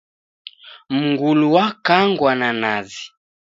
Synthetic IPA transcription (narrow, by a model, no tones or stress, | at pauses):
m̩ŋɡuluwakaŋɡwananazi